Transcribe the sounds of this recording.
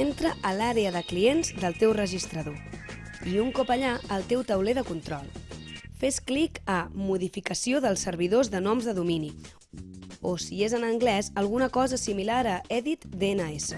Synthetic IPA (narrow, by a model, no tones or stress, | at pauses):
ent̪ɾəʔəlaɾeəðəklienzd̪əlˠt̪ewrəʒist̪ɾəðo | iuŋkɔpəʎaəlˠt̪ewt̪əwleðəkunt̪ɾɔlˠfesklikəmuðifikəsioðəlˠsːəɾβiðozðənɔmzðəðumini | osiezənəŋɡlɛzəlˠɣunəkɔzəːsimilaɾəɛðit̪d̪enəesə